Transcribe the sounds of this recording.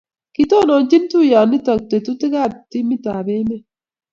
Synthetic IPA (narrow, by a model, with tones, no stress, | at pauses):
ki˨˦t̪o˦˨no˨nt͡ʃi˦nt̪u˦˨jaː˨nːi˦t̪a˨k̚t̪e˨t̪u˦t̪i˦ka˦˨t̪i˦mi˦t̪a˨be˦me˦